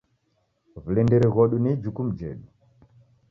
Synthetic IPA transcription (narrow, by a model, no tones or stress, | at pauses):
vulɛndɛɾɛɣɔɗunid͡ʒukum̩d͡ʒɛ̰ɗu